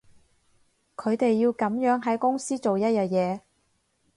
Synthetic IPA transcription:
kʰɵ˨˧ɥt̪e˨jːiː˧wkɐ˨˥mjœː˨˥ŋɦɐ˨˥jkʊ˥ŋsiː˥t͡so˨wjɐ˥t̚jɐː˨jɛː˨˧

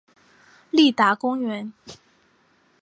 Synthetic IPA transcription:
li˥˩t̪a˧˥kʊ˥ŋɥɛ˧˥n

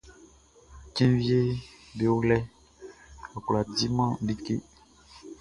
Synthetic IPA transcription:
kɛ̃˦vje˦ | be˨o˦lɛ˦ | ɔ˨kla˨di˦mã˦bi˦kḛ˦

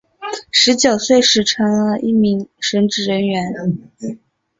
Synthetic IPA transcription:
ʂɻ̩˧˥t͡ɕjo˨˩ʊswe˥˧ɪʂɻ̩˥˩ʈ͡ʂʰɤ˧˥ŋlə˧ʔi˥˩mi˧˥ŋʂə˧˥nʈ͡ʂɻ̩˥˩ɻə˧˥nɥɛ˧˥n

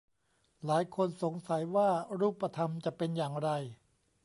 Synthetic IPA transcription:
laː˩˦jkʰo˧nso˩˦ŋsa˨˩˦jwaː˥˩ɾuː˥˩pːa˧t̪ʰa˧mt͡ɕa˨˩pe˧njaː˨˩ŋɾa˧j

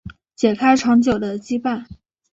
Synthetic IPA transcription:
t͡ɕjɛ˨˩kʰa˥ɪʈ͡ʂʰɑ˧˥ŋt͡ɕjo˨˩ʊd̪ə˦t͡ɕi˥pa˥˩n

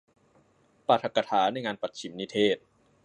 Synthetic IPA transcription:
paː˨˩t̪ʰa˨˩kːa˧t̪ʰaː˩˦na˧jŋaː˧npa˨˩t̪̚t͡ɕʰi˩˦mni˦˥t̪ʰeː˥˩t̪̚

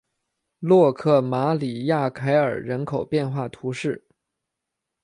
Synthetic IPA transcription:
lwɔ˥˧kʰɤ˥˩ma˧˥li˨˩ja˥˩kʰa˧˥ɪə̰˞˨˩ɻə˧˥nkʰo˨˩ʊpjɛ˥˧nxwa˥˩t̪ʰu˧˥ʂɻ̩˥˩

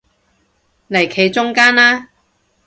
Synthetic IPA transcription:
le˨˩jkʰe˨˧jt͡sʊ˥ŋkaː˥nlaː˥

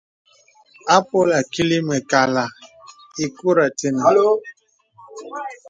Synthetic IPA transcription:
a˦po˦la˨ki˦li˦mɛ˨ka˨la˨ | i˨ku˦ɾa˨te˨na˨˦

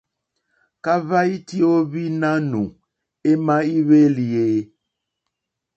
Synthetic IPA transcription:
ka˦va˦i˦ti˦o˦βi˦nã˦nũ˨ | e˦mã˦i˦βe˦li˨e˨˦

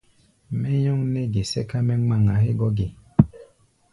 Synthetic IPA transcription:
mɛ˦ɲɔ˦ŋnɛ˦ɡe˨sɛ̰˦ka˦mɛ˦ŋ͡ma˦˨ŋa˨ɦe˦ɡɔ˦ɡe˨

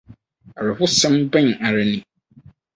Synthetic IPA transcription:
a˨ɾɪ˨hʊ˦sɪ̃˦mbɛ˦ɲ˨a˨ɾɪ˨nĩ˨

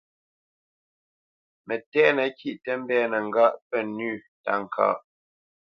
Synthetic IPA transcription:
mɛ˨tɛ˦nə˨kʰi˦ʔtɛ˦m̩˦bɛː˦nə˨ŋ̩˨ɡa˦˨ʔpɛ˦˨nʉː˦˨ | ta̰˨ŋ̩˨kʰa̰ː˦˨ʔ

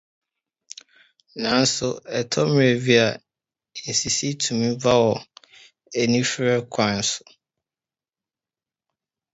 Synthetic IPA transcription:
nã˨n̩˦sʊ˨ɛ˨tʰɔ˦m˨e˨vi˦a˨ | ɛ˨si˨si˦tʰũ˨mĩ˦va˦wɔ˨ | ɛ˨nĩ˦fɾɛ˦kʰã˨n̩˦sʊ˨

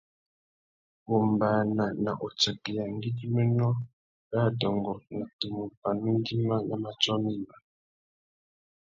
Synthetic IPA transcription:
o˨mbaː˨na˨na˨ʔo˨t͡ʃa˨kɛ˨ja˨n˦di˦ɡi˦mɛ˦nɔ˦ | ɡa˦˨dɔ˨ŋɡɔ˨na˨tu˨mu˨pa˨nu˦n˦di˦ma˦na˨ma˨t͡ʃɔ˦mi˦ma˨

